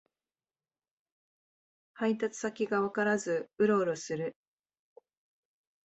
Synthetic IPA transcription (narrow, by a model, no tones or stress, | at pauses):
hait̪̬at͡sɨ̥sakʲiɡaβakaɾazɨɯ̟ɾo̞ːɾosɨɾɯ̟